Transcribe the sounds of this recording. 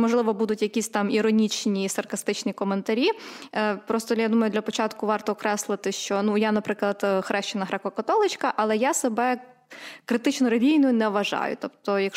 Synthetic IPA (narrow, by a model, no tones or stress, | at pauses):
mɔʒlˠɪʋɔbud̪ʊtʲjɐkʲisʲt̪ɑmiɾɔnʲit͡ʃnʲisɐrkɐst̪ɪt͡ʃnʲikɔment̪ɐɾʲi | pɾɔst̪ɔjad̪umɐjʊd̪lʲɐpɔt͡ʃɑt̪kʊʋɑrt̪ɔːkɾɛslˠɪt̪ɪʃt͡ʃɔnujanɐpɾɪklˠɐd̪xɾɛʃt͡ʃɪnɐɦɾɛkɔkɐt̪ɔlˠɪt͡ʃkɐʔɐlˠɛjasebɛ | kɾɪt̪ɪt͡ʃnɔɾɐlʲijnʊjʊnɛʋɐʒɑ̰jʊ̰t̪ɔpt̪ɔjɐkʃ